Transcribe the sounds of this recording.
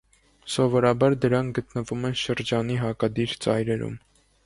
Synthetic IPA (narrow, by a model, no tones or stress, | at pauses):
sɔvɔɾɑbɑɾd̪əɾɑŋkʰɡət̪nəvumɛnʃəɾd͡ʒɑniɦɑkɑd̪iɾt͡sɑ̰jɾɛɾṵm